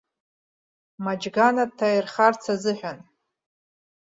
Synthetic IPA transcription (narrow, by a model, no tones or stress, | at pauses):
mad͡ʒɡanatʰːajrχart͡sʰazɨħʷᶣan